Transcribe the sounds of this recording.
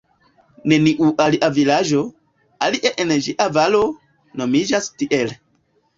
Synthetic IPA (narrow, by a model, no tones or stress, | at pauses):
ne̞niʔuʔaliʔavilad͡ʒo̞ | aliʔeʔend͡ʒiʔavalo̞ | no̞mid͡ʒastiʔel